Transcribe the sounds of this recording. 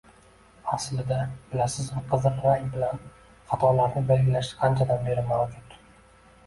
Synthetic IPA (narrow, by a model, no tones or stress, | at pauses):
aslɪd̪abɪlasɪzʊqʰɨzɨɾɾajbɪlan | χɑt̪ʰɒlaɾnɪbe̞lɡʲɪlaʃɪ̥qʰɑnt͡ʃʰad̪anbe̞ɾɪmalkʲʰat̪ʊ̥